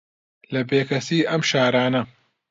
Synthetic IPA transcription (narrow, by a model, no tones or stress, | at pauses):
lɐbeːkɐsiːʔɐmʃaːɾaːnɐ